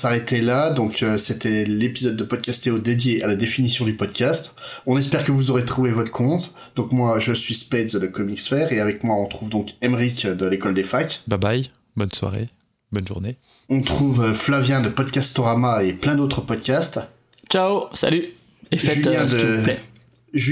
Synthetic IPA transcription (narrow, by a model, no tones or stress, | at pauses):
saʁet̪elad̪ɔ̃kʰøset̪ɛlepizɔd̪ːəpɔd̪̚kʲast̪eod̪ed̪jealad̪efinisjɔ̃d̪ypɔd̪kʲast̪ɔ̃nɛspɛʁkəvuzɔʁet̪χuvevɔt̪χəkʰɔ̃t̪ | d̪̥ɔ̃kmwaʒəsɥispɛd̪zd̪əkɔmiksfɛʁeavɛkmwaɔ̃t̪χuvd̪ɔ̃kɛmʁikd̪əlekɔld̪efakbabaj | bɔnswa̰ʁḛ | bɔnʒṵʁne | ɔ̃t̪χuvøflavjɛ̃d̪əpɔd̪̚kʲast̪ɔʁamaeplɛ̃d̪ot̪χəpɔd̪̚kʲast̪ | t͡ʃasa̰ly | eʒyljɛ̃d̪əɛ | ʒ